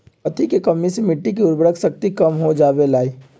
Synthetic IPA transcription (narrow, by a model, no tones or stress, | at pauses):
pət̪ʰikekəmːisemɪʈːik̬iʊɾbɾəksək̚t̪ikɐmɦod͡ʒaːʋelaːi